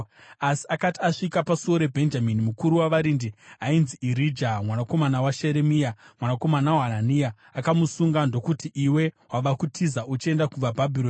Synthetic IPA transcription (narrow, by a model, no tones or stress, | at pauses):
asi̥akatiaʂikapasuo̞ɾe̞bʱe̞nd͡ʒaminimukuɾuwaʋaɾindiainziʔiɾid͡ʒamwanako̞manawaʃe̞ɾemijamwanako̞manawaananija | akamusuŋɡando̞kutiʔiwe̞waʋakutʰizaʔut͡ʃe̞ndakuʋabʱabʱiloːn